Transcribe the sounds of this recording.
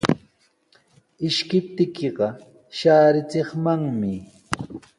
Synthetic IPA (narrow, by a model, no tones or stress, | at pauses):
ɪʃkɪp̚t̪ɪkeɢɑ | ʃaːɾɪt͡seχmaŋmɪ